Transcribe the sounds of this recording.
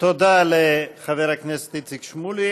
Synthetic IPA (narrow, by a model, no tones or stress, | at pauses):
t̪od̪aleχaveʁaknese̥t̪it͡sikʃmuli